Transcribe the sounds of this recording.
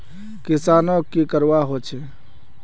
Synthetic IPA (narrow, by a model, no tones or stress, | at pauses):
kisaːnokːekəɾwaɦot͡ʃʰɛ